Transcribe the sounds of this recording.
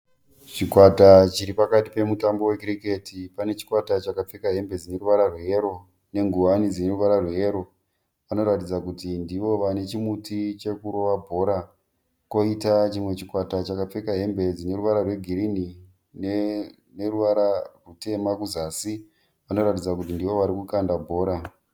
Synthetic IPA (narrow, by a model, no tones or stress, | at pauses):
t͡ʃikwatat͡ʃiɾipakati̥pe̞mutambo̞we̞kirike̞tipane̞t͡ʃi̥kwatat͡ʃakap͡fekaɦe̞mbed͡zine̞ɾuʋaɾarwejeɾo̞ | ne̞ŋɡuanid͡zine̞ruʋaɾarwejeɾo̞ | ʋano̞ɾatid͡zakutindiʋo̞ʋane̞t͡ʃimutʰit͡ʃe̞kuɾo̞ʋabʱo̞ɾa | ko̞itat͡ʃimwe̞t͡ʃikwatat͡ʃakap͡fekaɦe̞mbe̞d͡zine̞ɾuʋaɾarwe̞ɡʱiɾini | ne | neruʋaɾarute̞makuzasi | ʋano̞ɾatid͡zakutindiʋo̞ʋaɾikukandabʱo̞ːɾa